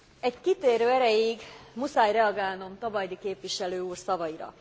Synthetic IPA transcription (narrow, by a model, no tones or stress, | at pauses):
ɛckit̪eːɾøːɛɾɛjiɡmusaːjrɛɒɡaːlno̞mt̪ɒvɒjd̪ikeːpʋiʃɛløːuːrsɒvɒiɾɒ̰